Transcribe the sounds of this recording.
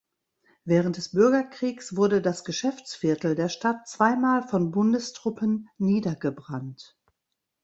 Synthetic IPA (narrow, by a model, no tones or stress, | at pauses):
vɛːʁ̞ənt̚d̥ɛsb̥ʏɐɡɐkʁ̥iːksv̥ʊɐdədasɡ̥əʃɛft͡sfɪɐtl̩deːɐʃtatt͡sv̥aɪmaːlfɔnbʊndəstʁ̥ʊpənːiːdɐɡəbʁant